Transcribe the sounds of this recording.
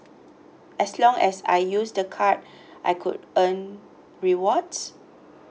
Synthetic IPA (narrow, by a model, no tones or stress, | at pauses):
ɛslɔ̃ŋɛsa̰jjusdəkʰat̚ | ʔa̰jkʰṵdə̃n | ɹiwɔds